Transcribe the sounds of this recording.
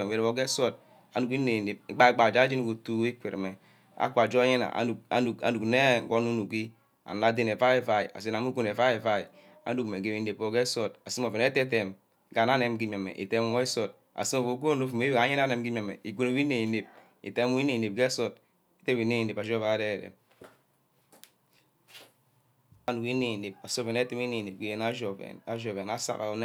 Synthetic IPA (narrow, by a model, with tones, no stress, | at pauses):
e˨e˨wo˨˦ɡe˦so˦t̚ | a̰˨nu˨ki˦e˨ne˨p̚ɡ͡ba˦ɡ͡ba˨d͡ʒa˦d͡ʒi˦n˦ɡo˨tu˦e˦kʷe˨ɾḛ˨me˨ | a̰˦kʷa˨d͡ʒo˦ɲe˦na̰˨˦u˨a̰˨˦u˨a̰˨nu˨kne˦ɡo˦nu˦nu˨ki˦ | a̰˨na˨˦de˦ne˨va˦e˦˨va˨ḭ˨a̰˨se˦na˨mu˦ɡu˦ne˨va˦e˨va˦i˨ | a̰˦du˦kme˨ɡe˨wi˨˦ne˨po˨ɡe˦so˦t̚a˨si˦m˦o˨ve˨n˦e˦te˦te˨m˦ | ɡa˨na˦ne˦mɡi˦ma˨mḛ˨ʔḭ˨te˦m˦o˦e˦so˨t̚ | a̰˨si˦mo˨vo˨˦ku˦o˦o˦fu˨me˦˨a˨˦ɲe˦n˦a˦ne˨m˦ɡi˦me˨mḛ˨i˨ɡu˦ne˨wi˦ne˨ne˨p̚ | ḭ˨te˦u˦i˦ne˨ne˨p̚ɡe˦so˦t̚ | i˦te˦wi˨˦ne˦˨ne˨a˨d͡ʒo˦va˨˦de˦˨ɾḛ˨m | a˨nu˨ki˦ne˨ne˨p̚a˨so˦ve˨ne˦ti˦mi˦ne˨ne˨p̚ɡe˦je˦na˦d͡ʒo˨ḛ˨na˦ʒo˨βe˨na˦sa̰˨ka̰˨˦n˦